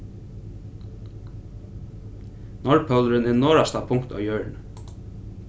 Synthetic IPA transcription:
nɔɹpʰœlɹənɪnoːɹɑst̪ɑpʰʊŋkt̪ɑ̰ːjøːɹɳ

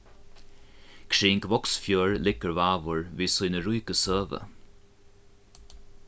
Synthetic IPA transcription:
kʰɹiːŋkvɔksfjøːɹlɪkəɹvaːvʊɹviːsujnəɾujkəsøːvə̰

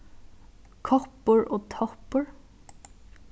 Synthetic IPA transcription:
kʰɔpəɹʔoːt̪ʰɔpəɹ

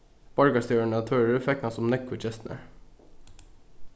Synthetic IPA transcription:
b̥ɑɹɡɑst̪øːɳɑt̪ʰøːɹəɾfɛknɑsɔmnɛkʊt͡ʃɛst̪n̩ə̰ɾ

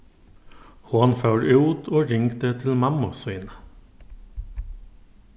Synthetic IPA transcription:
hoːnføːɾʉːt̪ʰoːɾɪŋkt̪et̪ʰɪlmɑmʊsœʏnə

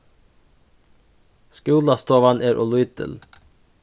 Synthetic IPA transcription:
skʉːlɑst̪oːʋɑnʔeːɾʔɔ̰lʊit̪ə̰l

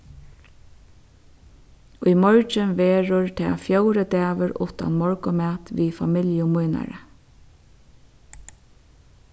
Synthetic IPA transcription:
ʊjmɔɹt͡ʃənʋeːɹʊɹt̪ʰa̰ːfjowɾət̪æːʋəɾʊ̰ht̪a̰nmɔɹkʊmæːt̪ʋiːfamɪljʊmujna̰ɾə̰

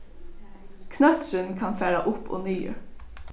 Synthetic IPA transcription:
kʰnœt̪ɹənkʰɑnfæːɹaʔʊpo̰ːnyːə̰ɹ

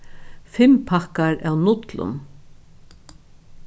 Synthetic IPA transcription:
fɪmpʰakaɾæwnʊt̪lʊ̰n

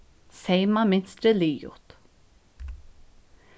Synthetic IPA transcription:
sejmamɪnst̪ɾəliːjʊ̰t̪

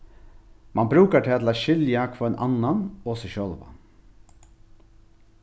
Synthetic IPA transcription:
mʔɑnbɾʉːkəʈʰɪlɑt̪ʰlɑːʃʏljɑkfɔɛnʔɑ̰nɑnoːsɛʃœːlʋɑ̰

